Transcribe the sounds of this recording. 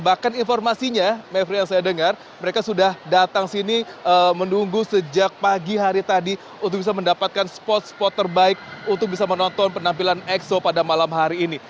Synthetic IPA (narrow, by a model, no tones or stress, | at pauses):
bahkaninfɔrmasiɲamefɾijaŋsajadəŋar | məɾekasudahdat̪aŋsiniəmənuŋɡusəd͡ʒak̚paɡiɦaɾit̪adi | unt̪ʊkbisaməndapat̪̚kanspɔt̪̚spɔt̪ːərbaɪk̚unt̪ʊk̚bisamənɔnt̪ɔnpənampilanɛksopadamalamɦaɾiːni